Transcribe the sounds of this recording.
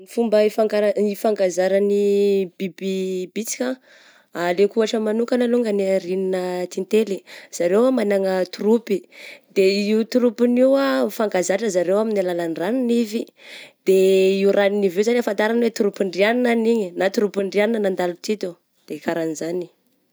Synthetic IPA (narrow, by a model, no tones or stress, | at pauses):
nifumbəifaŋɡaɾaifaŋɡazaɾənib̥ibibit͡si̥kʲa | alekuaʈ͡ʂəmanukənaluŋɡəniaɾininət̪int̪eliz̥aɾewamanaŋət̪urupid̪eiut̪uɾupiniwafaŋɡazaʈ͡ʂəzaɾewaminalalanraninivi | d̪̥eiuɾʔaninivewzaniafant̪aɾanwet̪uɾupiɳɖ͡ʐianinaniɲinat̪uɾupiɳɖ͡ʐianinənand̪alut̪it̪u | d̪̥ekaɾanizani̥